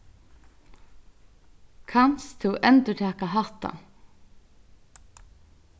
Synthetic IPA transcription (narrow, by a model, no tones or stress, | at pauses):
kʰanst̪ʰɪwʔɛnt̪əʈʰæːkaɦɑt̪a̰